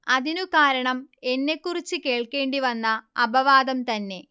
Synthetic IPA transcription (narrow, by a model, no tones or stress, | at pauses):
ɐðinukaːɾɐɳɐme̞nːe̞kːurit͡ɕːɨke̞ːɭke̞ːɳɖiʋɐnːɐɐbɐʋaːd̪ɐmt̪ɐnːe̞